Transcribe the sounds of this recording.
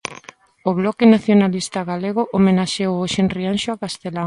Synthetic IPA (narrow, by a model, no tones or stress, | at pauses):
oβlɔkɪnaθjonalist̪aɣaleɣʊʔomenaʃewoʃenrianʃoakast̪ela